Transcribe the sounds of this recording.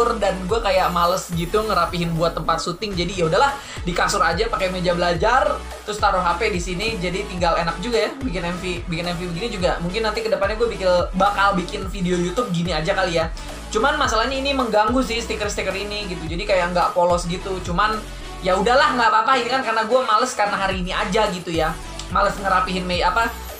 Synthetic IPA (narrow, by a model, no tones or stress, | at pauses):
ʊrdanɡuakajaʔmaləsɡit̪uŋəɾapiɦɪnbuat̪ːəmpat̪̚sut̪ɪŋd͡ʒadijaudahɦlah | dikasʊɾad͡ʒapakajmed͡ʒabəlad͡ʒar | t̪ɾʊst̪aɾʊɦapedisinid͡ʒadit̪iŋɡalenak̚d͡ʒuɡajabikɪnɛnfibikɪnɛnfibəɡinid͡ʒuɡamuŋkɪnːant̪ikədəpat̪̚ɲaɡuabikɪlbakalbikɪnfideojut̪ʊb̚ɡiniad͡ʒakalija | t͡ʃumanmasalahɲainiməŋɡaŋɡusɪhst̪ikərst̪ikəɾiniɡit̪ud͡ʒadikajaŋɡapolɔsɡit̪ut͡ʃuman | jaudahlahŋɡapapaɦinikankarnaɡuamaləskarnaɦaɾiːniad͡ʒaɡit̪uja | maləsŋəɾapiɦɪnmejapa